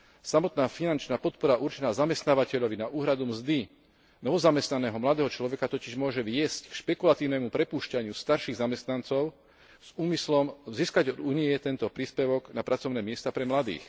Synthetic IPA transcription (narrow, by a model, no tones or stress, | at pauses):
samɔt̪naːfinant͡ʃnaːpɔt̪̚pɔɾaʔuɾt͡ʃɛnaːzamɛst̪naːʋacɛʎɔʋinaʔuːɦɾad̪umzd̪i | nɔʋɔzamɛst̪nanɛːɦɔmlad̪ɛːɦɔt͡ʃlɔʋɛkat̪ɔciʒmʊɔʒɛʋɪɛsckʃpɛkulat̪iːʊnɛːmupɾɛpuːʃcaɲɪust̪aɾʃiːɣzamɛst̪nant͡sɔʊ | z̥uːmislɔmziːskaɟɔd̪uːniɛt̪ɛnt̪ɔpɾiːspɛʋɔɡnapɾat͡sɔʊnɛːmɪɛst̪apɾɛmlad̪ḭːx